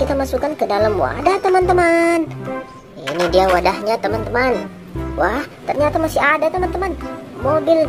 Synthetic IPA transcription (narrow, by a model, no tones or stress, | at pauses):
it̪amasukankədalamwa̰daht̪əmant̪əman | inidiawadahɲat̪əmant̪əman | waht̪ərɲat̪amasiadat̪əmant̪əmanmobɪl